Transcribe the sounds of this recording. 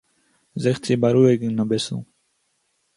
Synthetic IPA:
zɛχt͡sʰibaɾuɛɡinabɛsṵ

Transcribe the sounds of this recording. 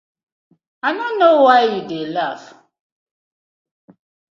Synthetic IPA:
aɪnonːowaɪjudelaf

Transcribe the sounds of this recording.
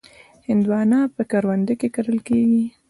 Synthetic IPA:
hɪnd̪wɑnɑpəkaɾwand̪əkekaɾəlkeɡi

